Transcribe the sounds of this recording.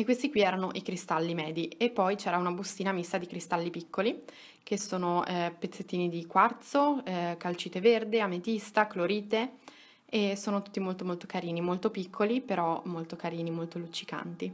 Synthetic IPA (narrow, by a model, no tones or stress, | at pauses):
ekːwest̪ikwiɛːɾanoʔikɾist̪alːimɛːd̪iepːɔjt͡ʃɛːɾaunabust̪iːnamist̪ad̪ikɾist̪alːipikʰːoli | k̟esːoːnoɛpet̪sːet̪ːiːnid̪ikwart̪sokalt͡ʃiːt̪everd̪eamet̪ist̪akloɾiːt̪e | esoːnot̪u̥t̪ːimolt̪omolt̪okaɾiːnimolt̪opikʰːolipeɾɔmolt̪okaɾiːnimolt̪olut͡ʃːika̰nt̪i